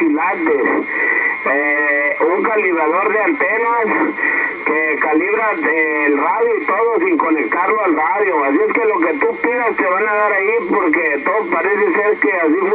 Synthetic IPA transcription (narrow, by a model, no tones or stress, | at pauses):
ilat̪es | euŋkaliβɾaðo̞ɾðeant̪enas | kekaliβɾaeːlraðjoit̪oðosiŋko̞nek̚t̪aɾloalraðjoasieske̞lo̞k̬e̞t̪upiɣast̪eβanaðaɾaipoɾk̬et̪oopaɾeseseɾkeasim